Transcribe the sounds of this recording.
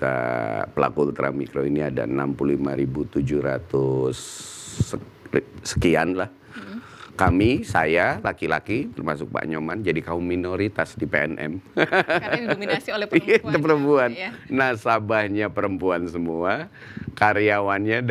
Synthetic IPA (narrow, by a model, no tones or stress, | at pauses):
t̪a̰pəla̰kult̪ɾa̰mikɾoiniada̰na̰mpululimaɾibut̪ud͡ʒuhɾa̰t̪ʊs | sə̥kianlah | kamisajalakila̰kit̪ərmasʊk̚pa̰ʔɲomand͡ʒadikauminoɾit̪asdipeɛnʔɛ̰m | misiolɛat̪pəɾəmpuanːasabahɲapəɾəmpuansəmua | kaɾiawanɲa